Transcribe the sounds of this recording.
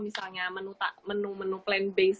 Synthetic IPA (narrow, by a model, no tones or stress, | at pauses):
misalɲamənut̪a̰ʔmənumənuplɛnbes